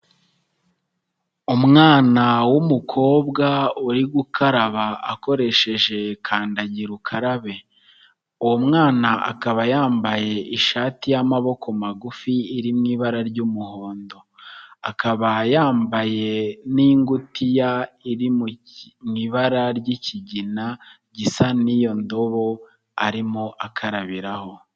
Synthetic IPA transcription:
umŋaːnawumukʰo̞ːbɡauɾiɡukʰaɾaβaako̞ɾe̞ʃe̞ʒe̞kʰaːndaɟiɾukʰaɾaβe̞ | uwomŋaːnaʔa̰kaβajaːmbaje̞ʔiʃaːtijamaβo̞ko̞maɡufiːɾimŋiːβaɾaɾɟuːmuho̞ːndo̞akaβajaːmbaje̞niːŋɡutijaiɾimu | mŋiːβaɾaɾɟiciɟina | ɟisanijo̞ndo̞βo̞ | aɾimoʔakʰaɾaβiɾaho̞

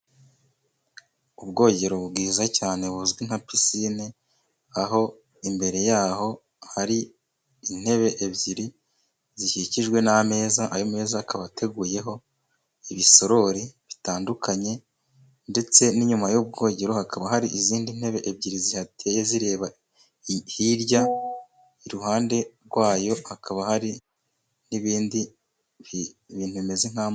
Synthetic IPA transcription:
ubɡo̞ːɟe̞ɾoβubɡiːzacaːne̞βuzɡwin̥hapisine | aɦo̞ | imbe̞ɾe̞jaːho̞ | haɾi | in̥he̞βe̞ʔebɟiɾi | ziʃiciʒɡwe̞name̞ːzaʔajome̞ːzaːkaβatʰe̞ɡuːje̞ɦo̞ | iβiso̞ɾo̞ɾiβitaːndukʰaɲe̞ | nde̞t͡se̞niɲumajub̚ɡo̞ːɟe̞ɾohakaβaɦaɾiʔiziːndin̥he̞βe̞ʔebɟiɾizihatʰejeziɾe̞ːβa | hiɾɟa | iɾuhaːnde̞ɾɡwaːjo̞hakʰaβahaɾi | niβiːndi | βiːn̥huime̞ziŋ̥am

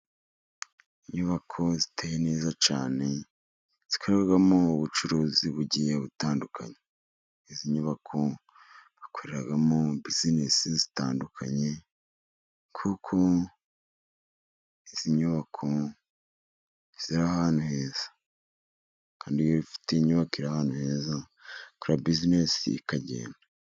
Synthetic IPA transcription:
iɲuβakʰo̞zitʰeje̞ne̞ːzat͡ʃaːne̞ | z̥i̥kʰoɾeɡaɡamouβut͡ʃuɾoːziβuɟijeβutaːndukʰa̰ɲe | iziɲuβakʰo̞ | βakoɾeɾaɡamobizinesizitaːndukʰa̰ɲe̞ | kʰukʰo | iz̥iɲuβakʰo̞ | z̥iɾahaːn̥huhe̞ːz̥ḁ | kaːndijoβifi̥teiɲuβakiɾahaːnuhe̞ːza | kuɾabizinesḭːkaɟe̞̰ːnda

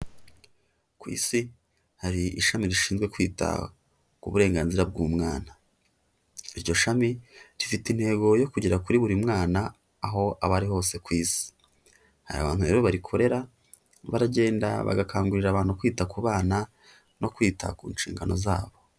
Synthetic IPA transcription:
kwḭːsi | haɾiiʃamiɾiʃiːnzɡwekwiːtʰa̰ | kuβuɾe̞ːŋɡaːnziɾab̚ɡuːmŋaːna | iɾɟo̞ʃamiɾifitinhe̞ːɡo̞jo̞kuɟeɾakuɾiβuɾimŋaːnaː | ɦo̞ʔaβaɾiho̞ːse̞kwiːsi̥ | ha̰ɾa̰βa̰ːnhuɾe̞ːɾo̞βaɾikʰo̞ɾe̞ɾa | βaɾaɟe̞ːnda̰βa̰ɡakʰaːŋɡuɾiɾaβaːn̥hukwiːtakuβaːna | no̞kwiːtʰa̰kṵːnʃiːŋɡa̰no̞̰zaːβo̞

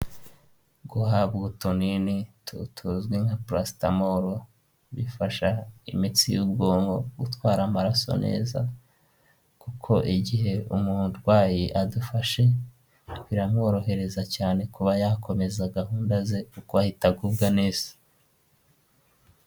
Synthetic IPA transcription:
ɡuhaβɡutoninitʰutʰuzɡwiŋhapɾasta̰moɾo | βifaʃaimit͡sijuːbɡoːmɡoɡutwaːɾamaɾaso̞̰ne̞̰ːza | kukʰo̞ʔiɟihe̞umuɾɡwaːjiʔadufaʃe̞ | βiɾamŋo̞ɾo̞he̞ɾe̞zacaːne̞kuβajakʰo̞me̞zaɡahuːndaze̞ukoahitaɡubɡaneːz̥ḁ

